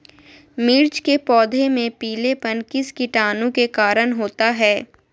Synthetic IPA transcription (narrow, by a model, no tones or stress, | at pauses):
miːɾt͡ʃkepɔːd̪ʱemẽpiːlepɐnkɪskɪʈaːnũkekaːɾənɦoːt̪aɦɛː